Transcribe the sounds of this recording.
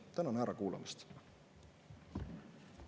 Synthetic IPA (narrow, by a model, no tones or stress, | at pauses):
t̪ænɑnæɾɑkuːlɑ̰mist̪